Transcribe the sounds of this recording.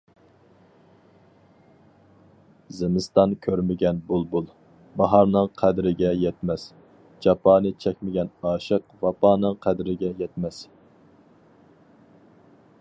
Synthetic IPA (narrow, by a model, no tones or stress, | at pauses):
zɪmɪst̪ɑnkʲʰøɾmɪɡʲɛnbulˠbulˠ | bɑɦɑɾnɨŋqʰæd̪ɾɪɡʲɛjɛt̪mɛs | d͡ʒɑpʰɑːnɨt͡ʃʰɛkʲmɪɡʲɛnɑːʃəqvɑpɑːnɨŋqʰæd̪ɾɪɡʲɛjɛt̪mɛs